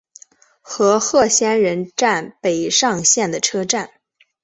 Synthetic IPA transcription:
xɤ˧˥xɤ˥˩ɕjɛ˥nɻə˧˥nʈ͡ʂa˥˩npe˨˩ɪʂɑ˥˧ŋɕjɛ˥˩nd̪ə˩ʈ͡ʂʰɤ˥ʈ͡ʂa˥˩n

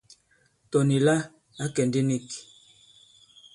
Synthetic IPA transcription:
tɔ˨ni˨la˦ | a˦kɛ˨ndi˦ni˦˨k

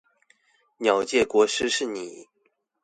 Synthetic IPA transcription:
njɑ˨˩ʊt͡ɕjɛ˥˩kwɔ˧˥˦ʂɻ̩˥ʂɻ̩˥˩ni˨˩˦

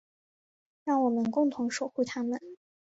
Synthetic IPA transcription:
ɻɑ˥˩ŋwɔ˨˩mə˦nkʊ˥˩ŋt̪ʰʊ˧˥ŋʂo˨˩ʊxu˥˩t̪ʰa˥mə˨n

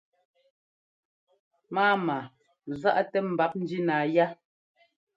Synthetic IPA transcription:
maː˦ma˨ | za˦ʔa˦tɛ˦m̩˨ba˨˦p̚n̩˦di˦naː˨ja˦

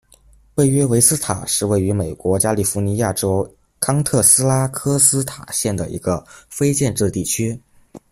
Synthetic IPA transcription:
pe˥˩ɪɥɛ˥we˧˥ɪsɹ̩˥t̪ʰa̰˨˩ʂɻ̩˥˧we˥˩ɪy˧˥me˨˩ɪkwɔ˧˥t͡ɕja˥li˨˩fu˧˥ni˧˥ja˥˩ʈ͡ʂo˥ʊ | kʰɑ˥ŋt̪ʰɤ˥˩sɹ̩˥la˥kʰɤ˥sɹ̩˥t̪ʰa˨˩ɕjɛ˥˩nd̪ə̰˩ḭ˧˥ɡə˧fe˥ɪt͡ɕjɛ˥˧nʈ͡ʂɻ̩˥˧t̪i˥˩t͡ɕʰy˥

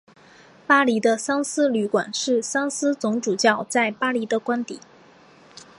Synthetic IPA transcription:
pa˥li˧˥d̪ə˧sɑ˥ŋsɹ̩˥ly˧˥kwa̰˨˩nʂɻ̩˥˩sɑ˥ŋsɹ̩˥t͡sʊ˧˥ŋʈ͡ʂu˨˩t͡ɕjɑ˥˩ʊt͡sa˥˩ɪpa˥li˧˥d̪ə˧kwa˥nt̪ḭ˨˩˦

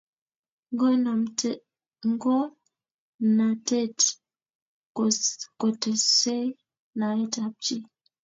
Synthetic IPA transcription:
ŋɡo˦n˨m˦ | ŋ˦ɡo˦ | na˨te˦t | ko˨te˨se˦ | na˨e˦ta˨p̚t͡ʃi˦

